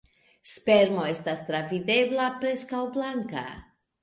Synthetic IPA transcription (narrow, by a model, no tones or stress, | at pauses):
spe̞ɾmo̞e̞stast̪ɾavide̞blapɾe̞skawblaŋka̰